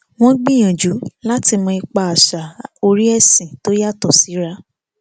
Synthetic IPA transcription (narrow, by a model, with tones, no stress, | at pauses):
w̃ɔ̃˦ɡ͡bĩ˦˨j̃ã˨d͡ʒu˨˦la˦ti˧mɔ̃˧i˧k͡pa˧a˨ʃa˨o˧ɾi˦ɛ˦˨sĩ˨to˦ja˦˨tɔ˨si˨˦ɾa˧